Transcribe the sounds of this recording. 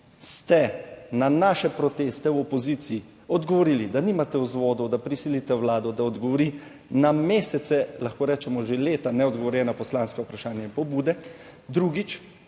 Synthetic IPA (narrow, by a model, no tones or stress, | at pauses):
st̪ɛnanaːʃɛpɾɔt̪eːst̪ɛwɔpɔzit̪siː | ɔd̪ɡɔʋɔɾilid̪aniːmat̪ɛuzʋɔːd̪ɔd̪apɾisilit̪ɛwlaːd̪ɔd̪aɔd̪ɡɔʋɔɾi | nameːsɛt̪sɛlaxkoːɾɛːt͡ʃɛmɔʒeleːt̪anɛɔd̪ɡɔʋɔɾjɛnapɔslanskɛupɾaʃaːnjaĩmpɔbuːd̪ɛ | d̪ɾuːɡit͡ʃ